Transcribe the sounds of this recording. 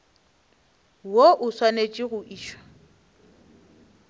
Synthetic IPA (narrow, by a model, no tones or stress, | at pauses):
woʔʊswanet͡ʃʼiɣʊʔiːʃwḁ